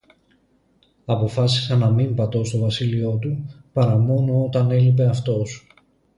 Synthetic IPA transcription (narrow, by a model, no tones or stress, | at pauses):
ɐpo̞fɐsi̥sɐnɐmimbɐt̪o̞st̪o̞vɐsilio̞t̪upɐɾɐmo̞no̞o̞t̪ɐne̞lipe̞ɐft̪o̞s